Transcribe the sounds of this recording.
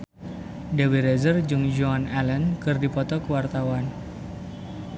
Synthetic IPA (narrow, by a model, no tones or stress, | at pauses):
dawiɾezərd͡ʒuŋd͡ʒoanɛlənkɨrdipɔt̪ɔkəwart̪awan